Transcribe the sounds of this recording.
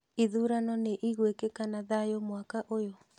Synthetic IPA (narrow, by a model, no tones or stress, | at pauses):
iðuɾanɔneʔiɣwekekanaðajomwakaʔojo